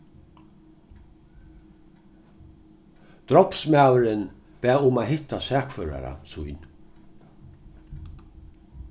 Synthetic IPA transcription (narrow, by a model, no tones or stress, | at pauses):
d̪̥ɾɔpsmawɾən | b̥ɛːʊmaːhɪt̪asɛːkfœːɾa̰ɾa̰sujn